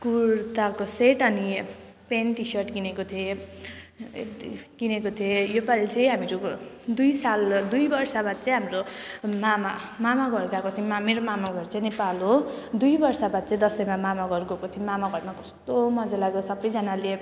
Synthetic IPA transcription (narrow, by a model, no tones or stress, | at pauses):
kuɾt̪akoseʈʌni | penʈisʌrʈɡinekot̪ʰie | ɡinekot̪ʰiejopalt͡sʌj̃ɦamiɾod̪ujsald̪ujbʌrsabad̪̚t͡sʌj̃ɦamromama | mamaɡʌɾɡakot̪ʰiemameɾomamaɡʌɾt͡sʌj̃nepalod̪ujbʌrsabad̪̚t͡sʌ̃ĩd̪ʌsʌjmamamaɡʌɾɡokot̪ʰimamaɡʌɾmakʌst̪omʌd͡zalaɡosʌbʌjd͡zʌnale